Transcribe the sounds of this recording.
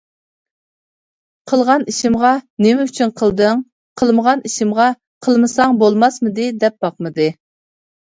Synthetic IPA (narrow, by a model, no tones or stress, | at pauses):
qʰəlˠʁɑniʃɪmʁɑnɪmɛyt͡ʃʰynqʰəlˠd̪ɨŋ | qʰəlˠməʁɑniʃɪmʁɑ | qʰəlˠmɨsɑŋbolˠmɑsmɨd̪ɨd̪ɛp̚b̥ɑqmɨd̪ɨ